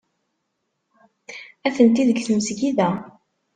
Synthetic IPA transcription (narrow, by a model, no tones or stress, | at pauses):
æθənt̪iðkθəmsɡiðæ